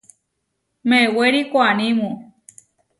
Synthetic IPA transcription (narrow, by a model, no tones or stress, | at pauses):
meweɾikoanĩmũ